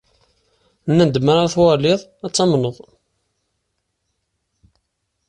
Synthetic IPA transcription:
nːənd̪maɾaɾθwɑlɪðˤæt͡sːɑmnəðˤ

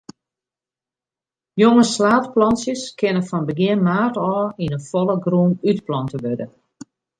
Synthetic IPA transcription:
joŋəslaːtplɔnsjəskʰɪnəfɔnbəɡɪənmaːrtɔːinənfolˠəɡruːnytplɔntəʋødə

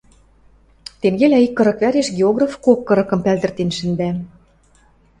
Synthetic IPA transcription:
t̪eŋɡelʲæikːɤ̆ɾɤ̆kβæɾeʃɡeoɣrafkokːɤ̆ɾɤ̆kɤ̆mpæld̪ə̆rt̪enʃɘ̆nd̪æ

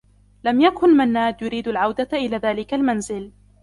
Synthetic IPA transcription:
lamjakʊnmanːaːd̪jʊɾiːd̪alʕawd̪aʔɪlaːðaːlɪkalmanzɪl

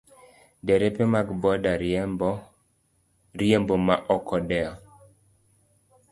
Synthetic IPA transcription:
dɛɾɛpemakbɔda | ɾiembomaʔɔkʰɔdɛɔ

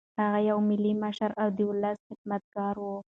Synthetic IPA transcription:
haɣajawmɪlːimaʃaɾawd̪iwʊlːasxɪd̪mat̪̚ɡɑɾwo

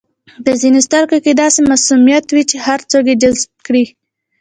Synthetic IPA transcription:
pəzinest̪aɾkoked̪ɑsemasumijat̪wit͡ʃehaɾt͡soɡed͡ʒazb̚kɽi

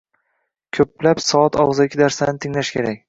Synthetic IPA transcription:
kʲʰɵplapsɒat̪ʰɒʁɨzɪkʲʰːɪd̪aɾsanɪt̪ʰɪŋlaʃkʲʰe̞ɾakʲ

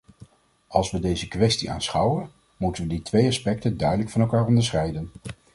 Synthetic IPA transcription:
ɑlˠsʋədejzəkʋɛstiʔa̰ːnsχɑwən | mutənʋəditʋejɑspɛk̚təndœɥdələkfɑnɛlˠkaːrɔndəɹsχɛjdən

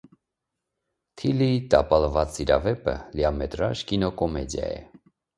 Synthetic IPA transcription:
t̪ʰilit̪ɑpɑlvɑt͡siɾɑvɛpəljamɛt̪ɾɑʒkinɔkɔmɛd̪jɑ̰jɛ̰

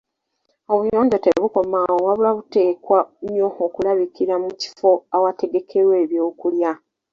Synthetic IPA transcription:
o̞βujo̞ːɲɟoteβuko̞mawowaβulaβute̞ːkwaɲo̞okulaβikiɾamuci̥fo̞awate̞ɡe̞kʰe̞ɾwe̞ːβjo̞ːkulja

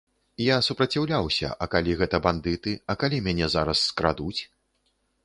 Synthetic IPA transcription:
jasupɾɐt͡sʲawlʲawsʲɐ̰ʔɐkalʲiɣɛt̪ɐband̪ɨt̪ɨɐkalʲimʲanʲɛzaɾɐsːkɾad̪ut͡sʲ

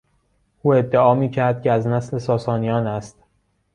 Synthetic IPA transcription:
ʔuːe̞d̪ːeɒːmiːcʰæɾd̪̥̚cʰʲeæznæsle̞sɒːsɒːnijɒːnæst̪

